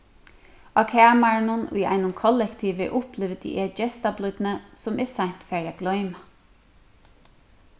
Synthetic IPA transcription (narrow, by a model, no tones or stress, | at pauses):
ɑkʰæːmaɹnʊnʊ̰jʔa̰ɪnʊmkʰɔlɛkt̪ʰiːʋɛ̰ʔʊplɪʋd̪ḭʔɛd͡ʒɛst̪ablʏd̪nəsʊmɛsan̥t̪fæːɹaɡ̥lɔʏma